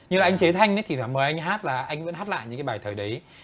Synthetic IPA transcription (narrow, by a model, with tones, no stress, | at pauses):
ɲɨ˧ŋaː˨˩ʔa˧ŋt͡ɕe˨˦t̪ʰa˧jŋnə˨˦jt̪ʰi˨˩t̪ʰwaː˧˩məː˨˩jʔa˧ŋɦaː˦˥t̚laː˨˩ʔa˧jŋ̟və̰˧˥nhaː˦˥t̚la̰ː˧˨jɨ̰˧˥kaː˨˦jɓaː˨˩jt̪ʰəː˨˩jɗə˨˦j